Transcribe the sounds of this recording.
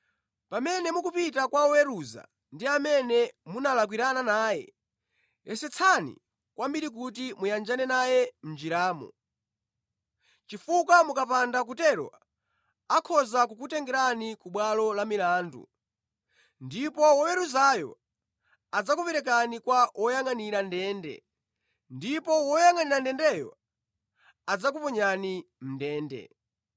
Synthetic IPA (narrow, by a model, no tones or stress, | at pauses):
pamɛnɛmukupitakwaɔwɛɾuza̰ | ndiamɛnɛmunalak̬wiɾananaːjɛ̰ | jɛsɛt͡sʰanḭ | kwambiɾik̬utimujand͡ʒanɛnajɛm̩d͡ʒiɾaːmɔ̰ | t͡ʃifukamukapandak̬utɛɾɔ̰ | akʰɔzak̬ukutɛŋɡɛɾanikuɓwalɔlamilaːndṵ | ndipɔwɔwɛɾuzajɔ̰ | ad͡zakupɛɾɛkanikwawʔɔjaŋaniɾandɛːndɛ̰ | ndipɔwɔjaŋaniɾandɛndɛjɔ̰ | ad͡zakupɔɲanim̩ndɛːndɛ̰